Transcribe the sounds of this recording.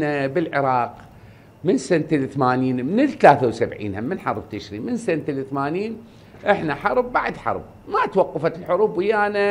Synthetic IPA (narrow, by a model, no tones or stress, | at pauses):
nabɪlʕɪɾˤɑːq | mɪnsant̪lɪθmaːniːnmɪnɪlt̪alaːθawsabʕḭːnhamːɪnħɑɾˤbt̪ɪʃɾiːnmɪnsant̪lɪθmaːniːn | ʔɪħnaħɑɾˤb̚ːaʕad̪ħɑ̰ɾˤb̚ | mat̪wɑqːɑfat̪ɪlħʊɾuːbwɪjːaːna